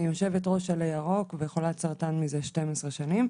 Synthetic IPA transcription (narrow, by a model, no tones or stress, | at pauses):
ioʃevetʁo̞ʃalejaʁo̞kvejχolat͡saʁtanmizeʃte̞mesʁeʃanim